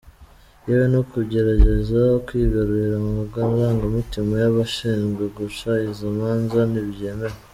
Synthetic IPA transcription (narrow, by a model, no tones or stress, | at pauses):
jewenokuɟe̞ɾaɟe̞zaokwiːɡaɾuɾiɾamaɡanzaːŋɡimitimajaβaʃiːnzɡweɡuʃaizimaːnzaniβje̞ːme̞ɾe